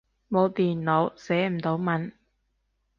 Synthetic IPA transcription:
mo˨˧wt̪iː˨˩nlo˨˧wsɛː˨˥m̩˨˩t̪o˨˥wmɐ˨˥n

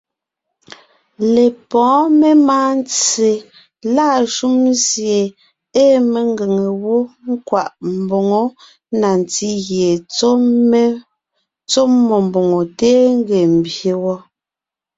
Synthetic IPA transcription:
le˨pɔ̃ː˨˦me˦maː˦n˦t͡se˨ | laː˦˨ʃu˦mzje˨ | e˦me˨ŋ˦ɡe˨ŋe˨wo˦ŋ̩˦kwa˨ʔm̩˨bo˨ŋo˦ | na˨n˨ti˦ɣje˨˦ | t͡so˦mːɔ˨m˨bo˨ŋo˨teː˦ŋ˦ɡe˨m̩˨bje˨wɔ˦

